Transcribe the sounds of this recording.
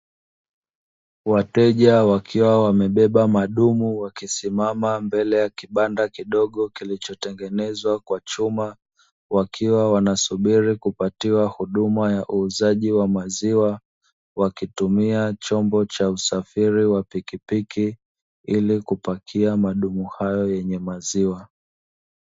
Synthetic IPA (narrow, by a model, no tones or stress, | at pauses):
watɛʄawakʰiwawamɛɓɛɓamaɗumuwakisimamambɛlɛjakiɓandakiɗɔɠɔkilit͡ʃɔtɛŋɡɛnɛzwakwat͡ʃuma | wakʰiwawanasuɓiɾikupatiwahuɗumajaʔuːzaʄiwamaziwa | wakitumiat͡ʃɔmbɔt͡ʃausafiɾiwapikipikʰi | ilikupakʰiamaɗumuhajɔjɛɲɛmaziwa